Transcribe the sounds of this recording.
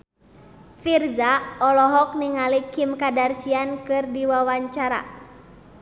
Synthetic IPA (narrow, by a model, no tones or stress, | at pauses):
firzaɔlɔɦɔk̚niŋalikimkadarsiankɨrdiwawaɲt͡ʃaɾa̰